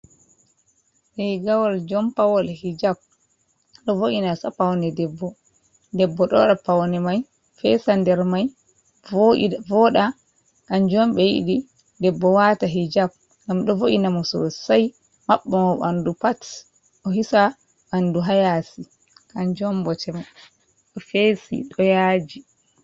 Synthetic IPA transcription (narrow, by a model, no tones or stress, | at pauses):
ɗɛjɡawɔld͡ʒɔmpawɔlhid͡ʒab̚ | ɗɔvoʔinasapawnɛdɛbːɔ | dɛbːɔɗɔɗapawnɛmaj | fɛsandɛɾmaj | vɔɗa | kand͡ʒɔmɓɛjḭɗi | dɛbːɔwataɦid͡ʒap̚ | ŋɡamɗɔvoʔinamɔsɔ̰saj | maɓːɔmɔɓandupat | ɔɦisa | ʔanduɦajasi | kand͡ʒɔmbɔtɛma | ɗɔfesḭɗɔjad͡ʒi